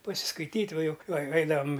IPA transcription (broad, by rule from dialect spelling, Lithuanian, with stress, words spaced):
pɐsʲɪskɐɪˈtʲiːtʲ ˈʋɐ ˈjʊk ɐɪ ˈɐɪdɐʋɐm